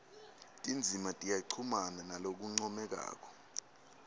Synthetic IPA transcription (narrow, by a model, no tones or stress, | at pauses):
tʼind͡zʱimatʼijaǃʰumananalok̬uŋ͡ǀɔmɛk̬a̰ːk̬ɔ̥